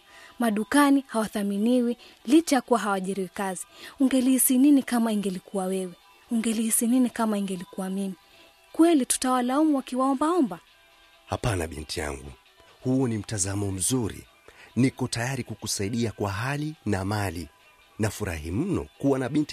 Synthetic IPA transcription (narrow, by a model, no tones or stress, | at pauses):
maɗukanihawaθaminiwi | lit͡ʃajakuwaɦawaʄiɾiwikaziuŋɡɛlihisininikamaiŋɡɛlikuwawɛwɛ | uŋɡɛlihisininikamaiŋɡɛlikuwamini | kwɛlitu̥tawalaumuwakiwaɔmbaɔmba | hapana̰ɓḭntija̰ŋɡṵ | huɔnim̩tazamɔm̩zuɾḭ | nikɔtajaɾikukusaiɗiakwaɦalinamali | nafuɾa̰him̩nɔ̰kuwanaɓinti